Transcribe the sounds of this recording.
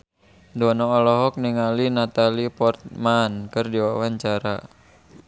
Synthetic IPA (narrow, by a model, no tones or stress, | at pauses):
dɔnɔːlɔɦɔk̚niŋalinat̪alipɔrt̪̚mankɨrdiwawaɲt͡ʃaɾa̰